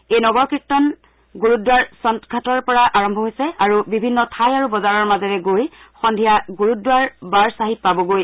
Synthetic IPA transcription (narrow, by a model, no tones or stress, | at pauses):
ejnɔɡɔɹkɹitːɔn | ɡuɹudwaɹsɔntkʰatɔɹpɔɹaʔaɹɔmbʱɔɦojsɛaɹubibʱinːɔtʰajaɹubɔzaɹɔɹmazɔɹɛɡoj | xɔndʱijaɡuɹudwaɹbaɹsaɦit̚pabɔɡoj